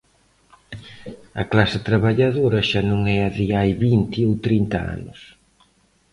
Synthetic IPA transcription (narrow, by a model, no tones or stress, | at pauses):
ɐklasɐt̪ɾaβaʎaðoɾɐʃanũŋɛɐðiajβint̪iowt̪ɾint̪ɐ̰a̰nʊ̰s